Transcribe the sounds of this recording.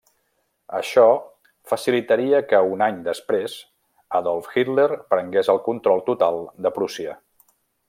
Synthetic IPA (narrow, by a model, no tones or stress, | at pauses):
ə̰ʃɔ | fəsilit̪əɾiəkəunaɲd̪əspɾez | əðɔlˠfxit̪leɾpɾəŋɡezəlˠkunt̪ɾɔlˠt̪ut̪alˠd̪əpɾusiə̰